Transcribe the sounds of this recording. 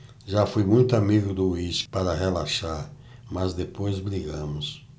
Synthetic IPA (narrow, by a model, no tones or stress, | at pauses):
ʒafojmũj̃t̪ʊamiɡʊd̪ʊuispaɾɐɦelaʃaɾ | mazd̪epojzbɾiɡɐ̃mʊs